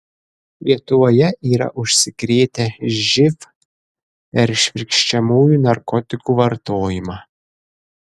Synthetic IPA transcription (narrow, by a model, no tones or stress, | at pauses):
lʲiɛt̪ʊʋoːjɛʔiːɾɐ̰ʔʊʃʲsʲɪkɾʲeːt̪ʲɛʒʲɪf | pʲɛɾʃʲʋʲɪɾʲkʃʲt͡ʃʲɛmuːjuːnɐɾkɔt̪ʲɪkuːʋɐɾt̪oːjɪmɑː